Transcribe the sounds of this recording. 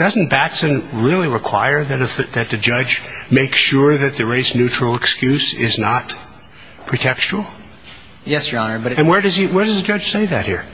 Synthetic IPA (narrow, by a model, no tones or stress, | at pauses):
d̥ʌz̃n̩b̥ætsɨ̃nɹɪlˠiɹɨkʰw̥a̰ɪə˞ðɨɾɨðɨt̪̚ðɨd͡ʒʌd͡ʒmeɪksʃʊɹðɨt̪̚ðɨɹeɪsnʉt͡ʃɹ̥l̩ˠɨkskjʉsɪznət̚ | pʰɹ̥itʰɛkst͡ʃul̩ˠ | jɛsjə˞ɑnə˞bʌɾɨ̃nwə˞ɾʌziwə˞dʌzɨd͡ʒʌ̥ʒ̥seɪðɨt̚hḭɹ